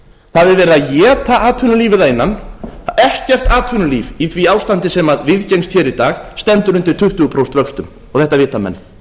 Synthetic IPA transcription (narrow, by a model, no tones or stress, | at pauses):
θavɪvɛːɾɪðaðjɛːt̪aʔaːt̪ʰvʏnʏliːvɪðaɪnːanɛhcɛr̥t̪aːt̪ʰʏnʏliːviθviaːwst̪ant̪ɪsɛmaðvɪðcejnst̪çɛːɾit̪aːxst̪ɛnt̪ʏɾʏnt̪ɪɾ̥t̪ʰʏht̪ʏɣʏpʰɾowst̪vœkst̪ʏm | ɔɣθɛht̪avɪːt̪amɛ̰nː